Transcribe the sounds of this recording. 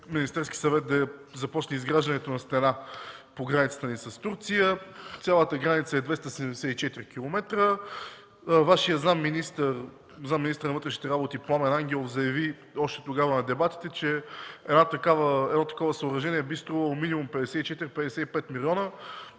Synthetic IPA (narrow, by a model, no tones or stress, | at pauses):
minist̪ɛɾski̥sɐvɛt̪̚d̪ɐzɐpɔt͡ʃnəizɡɾaʒd̪ɐnɛt̪onɐst̪ɛnapoɡɾanit̪sə̥t̪ənisɐst̪uɾt̪sijət̪sʲjalˠət̪əɡɾanit̪səɛd̪vɛst̪əsɛɛmd̪ɛsɛt̪it͡ʃɛt̪iɾikilˠomɛt̪ɾə | vaʃijəznamːinist̪ər | znamːinist̪əɾnvɤt̪ɾɛʃnit̪ɛɾabot̪ipˠamɛnaŋɡʲɛlˠofzɐjɐvi | ɔʃt̪ɛ̥t̪oɡavənɐd̪ɛbat̪i̥t̪ɛt͡ʃɛɛd̪nat̪ɐkavəɛd̪nɔt̪ɐ̥kɔvəsəʊɾɐʒɛniɛbist̪ɾuvəlˠominimumpɛd̪ɛsɛit͡ʃɛt̪iɾipɛd̪ɛsɛipɛt̪milʲiɔnə